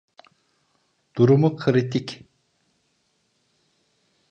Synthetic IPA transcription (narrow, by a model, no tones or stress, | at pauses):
d̪̥uɾumukʰɨɾit̪ikʲ